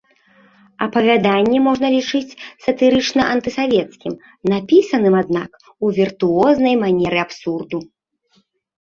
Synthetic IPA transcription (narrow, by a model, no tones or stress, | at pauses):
ɐpɐvʲad̪anʲːɛmɔʐnɐlʲit͡ʂɨt͡sʲsɐt̪ɨɾɨt͡ʂnɐʔɐnt̪ɨsavʲɛt̪skʲim | napʲisɐnɨmad̪na̰k | uvʲirt̪uɔznɐjmanʲɛɾɨapsurd̪u